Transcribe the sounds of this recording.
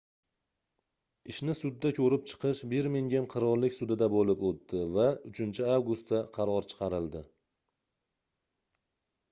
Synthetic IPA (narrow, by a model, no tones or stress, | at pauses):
ɪʃnɪsʊd̪ːakʲʰɵɾɪp̚t͡ʃʰɨ̥qɨʃbɪɾmɪŋɡʲamqʰɨɾɒɾlɪkʲsʊd̪ɪd̪abolɪpot̪ːɪvaʊt͡ʃʰɪnt͡ʃʰɪavɡʊst̪aqʰɑɾɒɾt͡ʃʰɨ̥qʰɑɾɪlˠd̪ɪ